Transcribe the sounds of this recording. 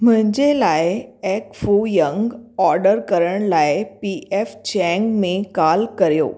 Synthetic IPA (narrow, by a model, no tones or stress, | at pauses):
m̤ə̃ɲd͡ʑelajeɛkfujə̃ŋɡɔɾɖəɾkəɾəɳ̃lajepiʔeft͡ɕɛ̃ŋɡmẽkalkəɾjo̰ː